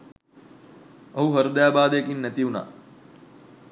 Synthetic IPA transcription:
əɦuɦəɾd̪jaːbaːd̪ekinːɛt̪iuna̰

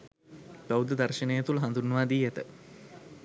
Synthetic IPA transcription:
bɐwd̪əd̪ɐrʃɐnejet̪ulɦɐnd̪unːəʋaːd̪iːet̪ə̰

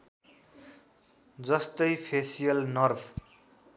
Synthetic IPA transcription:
d͡zʌst̪ʌjpʰesijʌlnʌrbʰ

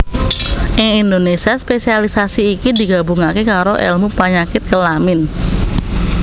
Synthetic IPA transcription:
ʔɪŋindonesiaspesialisasiːkidi̤ɡa̤buŋakekaɾoʔɛ̰lmupaɲakɪt̪̚kəlamɪn

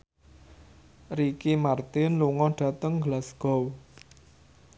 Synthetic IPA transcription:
rikimart̪ɪnluŋɔɖ̥ä̤t̪əŋɡəlasɡ̥ɔw

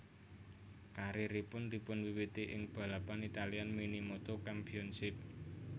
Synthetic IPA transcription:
kaɾiɾipʊnd̪ipʊnwiwit̪iʔɪŋb̥ä̤lapanit̪alianminimot̪okampiɔnsɪp̚

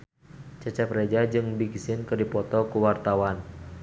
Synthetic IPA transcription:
t͡ʃət͡ʃɛpred͡ʒad͡ʒɨŋbiɡsɪnkɨrdipɔt̪ɔkuwart̪awan

